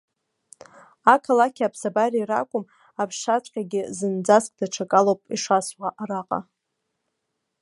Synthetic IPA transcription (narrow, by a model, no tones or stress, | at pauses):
akʰalakʲʰapʰsabariːra̰kʷʼʊm | apʰʂat͡sʷʼqʲʼaɡʲɪzɨnd͡zaskʼdaʈ͡ʂʰakʼalowpʼiʂaswaʔaɾaqʼa̰